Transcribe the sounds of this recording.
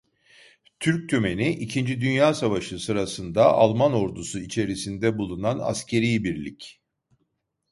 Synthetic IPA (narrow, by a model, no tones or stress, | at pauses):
t̪ʰyɾc̚t̪ʰyme̞niʔicʰind͡ʒid̪ynjaːsavaʃɯsɯɾasɯnd̪aʔalˠmano̞ɾd̪usuit͡ʃʰe̞ɾisind̪ɛbulˠunana̰scʰe̞ɾijbiɾlʲic